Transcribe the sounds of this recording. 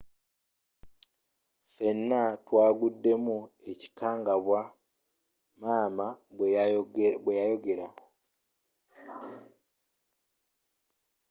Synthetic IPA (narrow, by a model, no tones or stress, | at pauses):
fe̞nːatwaːɡudːe̞mue̞ci̥kaːŋɡaβwa | maːma | bwejajo̞ɡe̞ɾa